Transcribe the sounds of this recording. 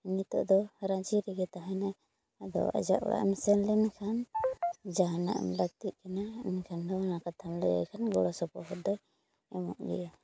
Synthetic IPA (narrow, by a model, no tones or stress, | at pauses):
init̪ɔʔd̪ɔɾãd͡ʒiɾɛɡɛt̪aɦɛ̃naj | ad̪ɔ̰a̰d͡ʒa̰ʔɔ̰ɽʔa̰ʔɛ̰msɛnlɛnkʰan | d͡ʒaɦana̰ʔmlaɡ̚t̪iʔ̪̚kanaɛnkʰand̪ɔnakat̪ʰamlɛja̰jkʰanɡɔɽɔsɔpɔhɔd̪ɔj | ɛmɔ̰ʔɡɛ̰a